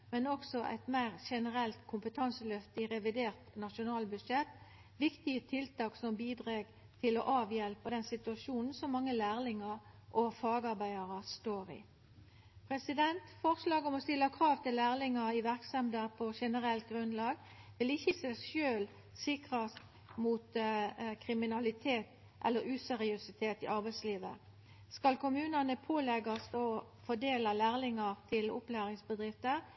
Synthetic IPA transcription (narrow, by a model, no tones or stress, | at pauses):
mɛnɔksɔʔæ̰ɪt̪mæɪʁʃɛnəʁɛlt̪kʰʊmpət̪ʰɑnsəlœft̪ɪʁɛʋɪd̪eːʁt̪nɑʃʊnɑːlbʉʂɛt̪ː | ʋɪkt̪ɪət̪ʰɪlt̪ɑːksɔmbiːd̪ʁeːɡ | t̪ʰɪlɔʔɑːʋjɛlpəd̪ɛnsɪt̪ʉɑʂuːnn̩sɔmːɑŋːəlæːʁlɪŋɑʁ | ʔɔfɑːɡɑʁbæɪɑʁəst̪oːʁɪ̰ | pʰʁɛsɪd̪ɛnt̪fɔʁslɑːɡɔmɔst̪ɪlːɑkʰʁɑːʋt̪ɪlːæːʁlɪŋɑɪʋæʁksɛmd̪əʁpʰɔʃɛnəʁɛlt̪̚ɡʁʉnlɑːɡ | ʋɪlɪçːəsɛʃøːl | sɪkʁɑst̪ | muːt̪kʰʁɪmɪnɑlɪt̪ʰeːt̪ | ʔɛ̰lːəɾʉːsɛʁɪʉsɪt̪ʰeːt̪ɪ̰ʔɑʁbæɪsliːʋə̰ | skɑlkʊmʉːnɑnəpʰoːlɛɡɑst̪ɔ | fɔd̪eːlɑlæːʁlɪŋɑʁt̪ʰɪlʊ̰plæːɾɪŋsbəd̪ʁɪft̪əʁ